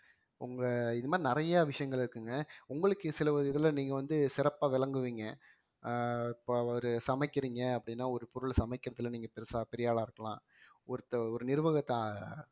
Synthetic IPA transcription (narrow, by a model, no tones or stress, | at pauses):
ʊŋɡɐɪnðɯmaːɾinɪɾɐjɐʋɪʂɐjɐŋɡɐɭɪɾɯkːɯŋɡɐʊŋɡɐɭɯkːɯsɪlɐɐɪðɐlniːŋɡɐʋɐnd̪ɯsɪɾɐpːaːʋɪlɐŋɡɯʋiːŋɡɐ | ɪpːoːɐʋɐɾɯsɐmɐɪkːɪɾiːŋɡɐɐpːɐɽɪnːaːɔɾɯpɔɾɯlsɐmɐɪkːɪɾɐðɯlːniːŋɡɐpɛɾsapɛɾɪjaːɭaːɪɾɯkːɐlã̰ː | ɔɾɯt̪ːɐɔɾɯnɪɾɯʋɐɣɐt̪ːa